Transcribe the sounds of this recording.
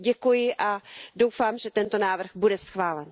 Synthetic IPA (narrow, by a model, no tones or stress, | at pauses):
ɟɛkujɪʔado̞wfaːmʒɛt̪ɛnt̪o̞naːvr̩ɣbudɛsxvaːlɛn